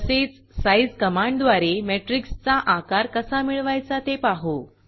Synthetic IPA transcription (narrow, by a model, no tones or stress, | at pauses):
set͡s | sajd͡zkəmãɳɖd̪ʋaɾemeʈɾikst͡saʔakaɾkəsamiɭʋajt͡sat̪epaɦo